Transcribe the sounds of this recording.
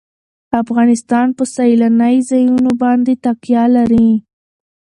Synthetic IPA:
afɣɑnɪst̪ɑnpəsailanəjzajunobɑnd̪et̪aqjɑlaɾi

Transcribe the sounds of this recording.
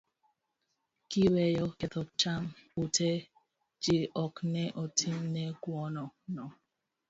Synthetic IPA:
kiwɛjɔkɛt̪ɔk̚t͡ʃamutʰɛ | d͡ʒiʔɔknɛʔɔtʰimnɛɡwɔnɔnɔ

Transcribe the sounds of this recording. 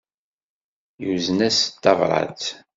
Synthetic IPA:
juznæst̪ːɑvɾˤɑ̰t͡s

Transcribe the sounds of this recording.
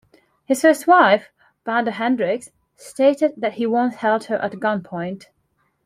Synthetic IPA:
hɨz̥fɜ˞st̚waɪf | b̥æ̃ndəɦɛ̃ndɹɪks | steɪɾɨd̪̚ðɨt̚hiwʌ̃nshɛlˠd̚hə˞ʔə̰t̚ɡ̥ʌ̃npʰɔ̃ɪ̃nt

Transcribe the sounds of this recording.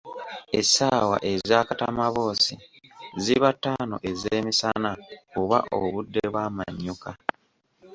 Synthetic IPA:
esawa̰ʔe̞zaːkatamaβo̞ːsiziβatːaːno̞ʔe̞zeːmisanaoβa̰ʔoβudːeβwaːma̰ɲːuka

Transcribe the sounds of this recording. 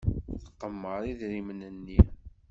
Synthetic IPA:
θəqːəmːəɾˤiðɾimənənːi

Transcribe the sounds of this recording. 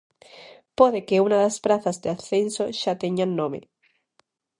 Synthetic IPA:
poðekeunaðaspɾaθazðeaθensoʃat̪eɲanːõmḛ

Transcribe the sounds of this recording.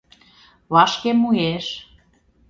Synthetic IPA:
βɑʃkemueʃ

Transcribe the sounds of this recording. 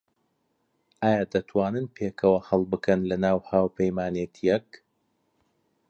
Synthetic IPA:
ʔaːjaːd̪ɐt̪ʰwaːnɨnpʰeːkʰɐwɐhɐlˠbɨkʰɐnlɐnaːwhaːwpʰɐjmaːnet̪ʰijɛk

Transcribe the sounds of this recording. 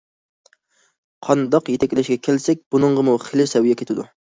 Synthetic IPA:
qʰɑnd̪ɑqjet̪ʰɛkʲlɛʃɡʲɛkʲʰelsɛk̚ʲb̥unɨəɴʁəmuχelɪsɛwijɛkʲet̪ʰɪd̪u

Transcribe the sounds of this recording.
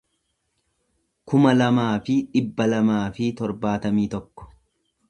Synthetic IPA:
kʊmɐlɐmaːfɪᶑɪbːɐlɐmaːfɪt̪ɔɾbaːt̪ɐmiːt̪ɔkːɔ̥

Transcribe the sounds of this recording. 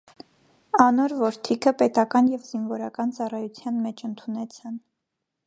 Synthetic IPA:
ɑnɔɾvɔɾt̪ʰikʰəpɛt̪ɑkɑnjɛvzinvɔɾɑkɑnt͡sɑrɑjut͡sʰjɑnmɛt͡ʃʰənt̪ʰunɛt͡sʰɑn

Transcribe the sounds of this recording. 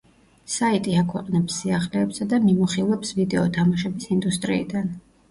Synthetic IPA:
sait̪ʼiakʰwɛ̰qʼnɛpsːiaχlɛːpsad̪amimuχilˠɛpsvid̪ɛɔt̪ʰamaʃɛbisind̪ust̪ʼɾḭːd̪an

